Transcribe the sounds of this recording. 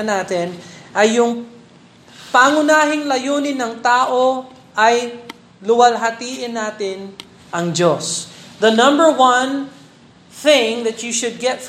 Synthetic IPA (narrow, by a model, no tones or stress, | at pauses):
ɐnaːt̪ɪnʔɐjːʊŋ | paːŋʊnaːɦɪŋlɐjoːnɪnːɐŋt̪aːʔo̞ | ʔɐj | lʊwɐlɦɐt̪iːʔɪnːaːt̪ɪn | ʔɐŋd͡ʒosðɐnɐ̃mbə˞wɐ̃n | θɪ̃ŋðɐtjuʃʊd̪̚ɡɛt̪